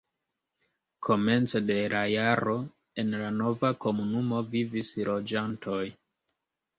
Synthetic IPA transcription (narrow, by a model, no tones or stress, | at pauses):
kʰo̞me̞nt͡sode̞lʔajaɾo̞ | e̞nlano̞vako̞munumo̞vivislo̞d͡ʒantʰo̞j